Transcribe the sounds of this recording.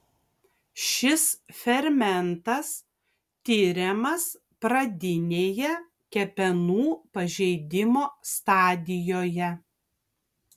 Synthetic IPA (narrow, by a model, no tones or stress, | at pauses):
ʃʲɪsfʲɛɾʲmʲɛnt̪ɐs | t̪ʲiːɾʲɛmɐs | pɾɐd̪ʲɪnʲeːjɛ | kʲɛpʲɛnuːpɐʒʲɛɪd̪ʲɪmoːst̪ɑːd̪ʲɪjoːjɛ